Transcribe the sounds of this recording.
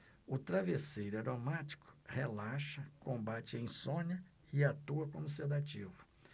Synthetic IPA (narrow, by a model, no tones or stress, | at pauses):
ʊt̪ɾavesejɾʊaɾomat͡ʃi̥kʊ̥helaʃɐkõmbat͡ʃɪẽj̃sõɲɐ | ɪat̪uɐkõmʊs̬ed̪at͡ʃivʊ